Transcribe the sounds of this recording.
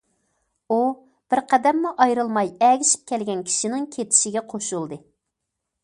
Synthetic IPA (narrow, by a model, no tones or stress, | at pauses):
u | b̥ɪɾqɛd̪ɛmːuʔɑjɾɨlˠmɑjɛɡʲiʃi̥p̚kʲʰɛlɡʲɛnkʲʰi̥ʃinɪŋkʲʰet̪ʰɪ̥ʃɪɡʲɛqʰoʃulˠd̪ɨ